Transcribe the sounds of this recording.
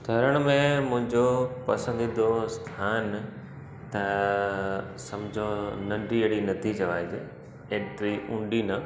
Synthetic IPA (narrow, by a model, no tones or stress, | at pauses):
d̪ʱɐɾəɽ̃mẽmʊ̃ɦɪ̃ɲd͡ʑopɐsə̃nd̪id̪ost̪ʰaːn | t̪ɐ | sɐ̃md͡ʑʱõnɐ̃ɳɖieɽinɐt̪ʰit͡ɕɐʋaːid͡ʑḛ | eːt̪ɾiʔũɳɖinɐ